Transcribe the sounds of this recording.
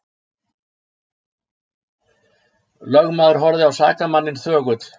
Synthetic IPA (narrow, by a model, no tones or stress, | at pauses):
lœɣmaːðʏɾ̥ɦɔɾðɪawsa̰ːkamanːɪnθœːɣʏt̪